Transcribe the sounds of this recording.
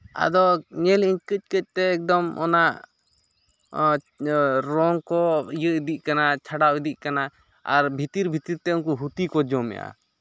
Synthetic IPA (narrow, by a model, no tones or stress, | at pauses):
a̰d̪ɔɲɛliɲkəc̚ˀkəc̚t̪ɛːk̚d̪ɔmɔ̰naʔ | ɾɔŋkɔijəʔid̪iʔ̚ˀkanat͡ʃʰaɽawid̪iʔ̚kana | a̰ɾbʱit̪iɾbʱit̪iɾt̪ɛuŋkuɦut̪ikɔd͡ʒɔmɛ̰ʔa̰